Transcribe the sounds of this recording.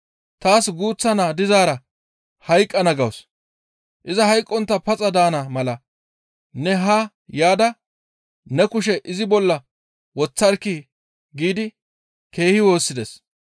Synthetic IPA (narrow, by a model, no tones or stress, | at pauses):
t̪aːsɡuːt͡sːɐnaːd̪ɪzaːɾɐ | hɐjkʼːɐnɐɡɐws | ʔɪzɐhɐjkʼːɔnt̪ːɐpɐt͡sʼɐd̪aːnɐmɐlɐ | nɛɦɐ | jaːd̪ɐ | nɛkʊʃ̬ɛʔɪzɪbɔlːɐ | wɔt͡sːɐɾkːɪ | ɡiːd̪ɪ | ke̞ːhɪwo̞ːsːɪd̪ɛs